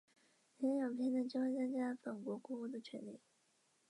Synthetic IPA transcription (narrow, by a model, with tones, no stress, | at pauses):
nʰɛ˧˥njo˨˩pʰjɛ˥nd̪ə˨˩t͡ɕjo˥xe˥˧t͡sə˥ŋt͡ɕja˥˩fə˨˩ŋkwɔ˧˥kwɔ˧˥u˥˩d̪ə˨˩t͡ɕʰɥɛ˧˥nli˨˩˦